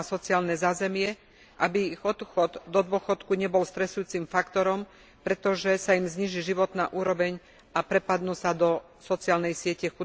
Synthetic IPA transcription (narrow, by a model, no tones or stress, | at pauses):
sɔt͡siaːlnɛzaːzɛmɪɛ | ʔabiiɣɔt̪xɔd̪ːɔd̪ʊɔxɔt̪kuɲɛbɔlst̪ɾɛsujuːt͡simfakt̪ɔɾɔm | pɾɛt̪ɔʒɛsaimzɲiːʒiʒiʋɔt̪na̰ːʔuːɾɔʋɛɲ | apɾɛpad̪nuːsad̪ɔ | sɔt͡siaːlnɛjsɪɛcɛxu